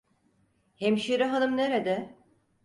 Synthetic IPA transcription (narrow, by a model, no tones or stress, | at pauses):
hemʃiɾiɦanɯmneɾed̪ɛ